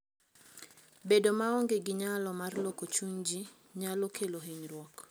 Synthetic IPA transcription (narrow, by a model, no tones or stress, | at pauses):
bedomaɔŋɡeɡɪɲalɔmarlokot͡ʃuɲd͡ʒi | ɲalokʰeloɦiɲrwɔk